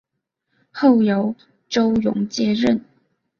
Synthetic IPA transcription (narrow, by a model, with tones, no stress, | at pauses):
xo˥˩ʊjo˧˥ʊ | ʈ͡ʂo˥ʊjʊ̰˧˥ŋt͡ɕjɛ˥˧ɻə˥˨n